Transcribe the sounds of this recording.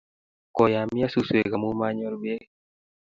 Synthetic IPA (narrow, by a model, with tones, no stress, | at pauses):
kɔ˨ja˨mja˦su˨swe˨ɡa˨mu˦ma˦ɲɔ˦ɾbe˦